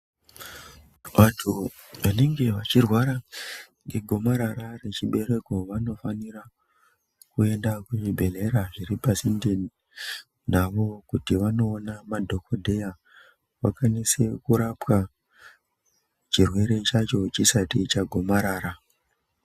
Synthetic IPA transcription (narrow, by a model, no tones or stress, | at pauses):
ʋatʰu | ʋane̞ŋɡe̞ʋat͡ʃirwaɾa | ŋɡe̞ɡʱo̞maɾaɾare̞t͡ʃiɓe̞ɾe̞ko̞ʋano̞fanira | kue̞ndakuʐibʱe̞le̞ɾaʐiɾipasinden | naʋo̞kutiʋano̞ːnamadʱo̞ko̞dʱeja | wa̰kanisekuɾapwa | t͡ʃirwe̞ɾe̞t͡ʃat͡ʃo̞t͡ʃisatit͡ʃaɡʱo̞maɾaːɾa